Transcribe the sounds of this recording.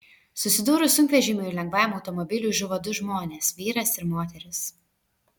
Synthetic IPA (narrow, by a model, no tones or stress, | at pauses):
sʊsʲɪd̪uːɾʊsʊŋʲkʋʲɛʒʲɪmʲʊilʲɛŋɡʋɑːɛmɒʊt̪ɔmɔbʲɪlʲuːˑʒʲʊʋɐd̪ʊʒmoːnʲeːsʋʲiːɾɐsɪɾmoːt̪ʲɛɾʲɪs